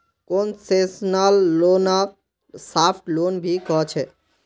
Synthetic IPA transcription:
konsesnalːona | sapʰʈlonbʱikɔt͡ʃʰɛ

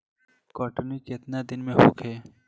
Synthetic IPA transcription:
kɔːʈənikɪt̪nad̪ɪnmẽɦoːkʰɛː

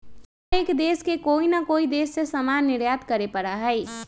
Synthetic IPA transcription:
ekd̪eːskekoːinakoːid̪eːsːesəmaːnːɪɾjaːt̪kəɾepəɽaɦɛɪ

